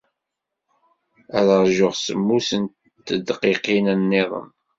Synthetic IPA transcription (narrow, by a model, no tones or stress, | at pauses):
æɾəʁˤʒʊʁsəmːusən | t̪ːəd̪qiqinənːeðˤə̰m